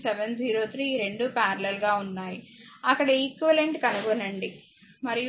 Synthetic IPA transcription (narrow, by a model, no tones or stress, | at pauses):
sɛʋenziːɾoːt̪ʰɾiːɾe̞ɳɖupaːɾɐlelɡaːunːaːjiɐkːɐɽɐiːkʋɐleɳʈkɐnuɡonɐɳɖi | mɐɾij